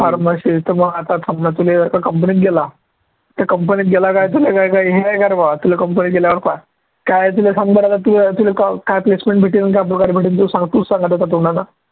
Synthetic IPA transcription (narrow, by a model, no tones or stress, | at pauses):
faɾməɕit̪əməɡat̪asʰamnat̪uled͡zəɾkakəmp̬əniːt̪̚ɡela | t̪akəmpəniːt̪̚ɡelakajt̪ulekajkajɦeajkaɾbaat̪ulekəmpəniɡeljaʋəɾka | kajt̪̬ulesaŋɡbəɽalat̪ulet̪ulekakajplesmẽɳʈbʱeʈiːnənk̬ajp̬ɾɔkaɾbʱeʈint̪usãŋɡt̪uːssãŋɡət̪at̪at̪uɽana